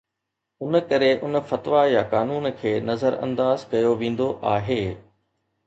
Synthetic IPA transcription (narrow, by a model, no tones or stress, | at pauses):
ʊnə̆kɐɾeʔʊnəfɐt̪ʋajakaːnuːnkʰeːnɐzəɾɐ̰̃nd̪aːzkɐjoʋẽːn̆d̪oʔaːɦeː